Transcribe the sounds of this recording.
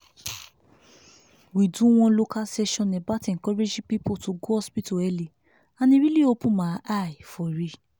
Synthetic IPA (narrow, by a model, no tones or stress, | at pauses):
widũw̃ɔ̃lokasɛʃɔ̃nɛ̃batɛkɔɾed͡ʒipipotoɡohɔspitoɛli | anĩɾiliopũmãʔaifɔɾi